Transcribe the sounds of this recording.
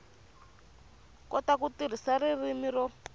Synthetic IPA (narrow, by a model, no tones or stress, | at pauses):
kɔtakutir̤isaririmiɾɔ